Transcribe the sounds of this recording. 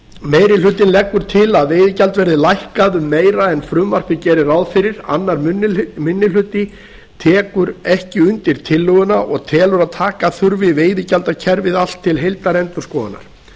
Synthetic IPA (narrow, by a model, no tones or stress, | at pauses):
meːjɾɪl̥ʏt̪ɪnlɛkːʏɾ̥t̪ʰɪlaðvejðɪcalt̪vɛɾðɪlajhkaðʏmːeːjɾaɛnfɾʏmvar̥pɪcɛːɾɪɾawðfɪɾɪɾa̰nːaɾmʏnːmʏnːɪl̥ʏt̪ɪ | t̪ʰɛːkʏɾɛhcɪʏnt̪ɪɾ̥t̪ʰɪlːʏɣʏnaʔɔɣt̪ʰɛːlʏɾaðt̪ʰaːkaθʏɾvɪveːjðɪcalt̪acʰɛɾvɪðal̥t̪ʰːɪlɦejlt̪aɾɛnt̪ʏɾ̥skɔːɣana̰ɾ̥